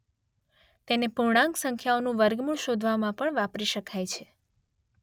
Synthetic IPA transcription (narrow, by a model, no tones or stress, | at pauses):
t̪enepuɳ̃ãŋksəŋkʰjaonũʋəɾɡmuɭʃod̪ʱʋamãpəɳʋapɾiʃəkʰajt͡ʃʰe